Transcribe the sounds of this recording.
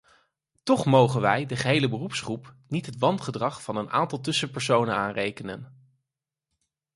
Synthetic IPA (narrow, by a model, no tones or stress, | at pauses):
tɔχmowχənʋɛjdəχəɦejləbərupsχrupnitɦətʋɑntχədrɑχfɑnənʔa̰ːntɑlˠtɵsəpəɹsownənaːnrejkənə̰n